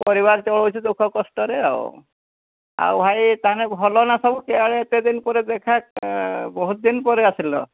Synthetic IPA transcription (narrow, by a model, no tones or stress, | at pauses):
pɔɾibaɡ̚t͡ʃɔɭɔujt͡ʃʰid̪ukʰɔkɔsʈɔɾea̰w | a̰wbʱajt̪aanɛɔlɔnasɔbukeaɭeet̪ed̪inpɔɾed̪ekʰak̚bɔɦut̪̚d̪inpɔɾeasilɔ̰